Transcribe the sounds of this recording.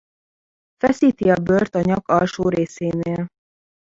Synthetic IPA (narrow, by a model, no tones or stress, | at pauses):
fɛsiːt̪iɒbø̞rt̪ɒɲɒkɒlʃoːɾeːseːneːl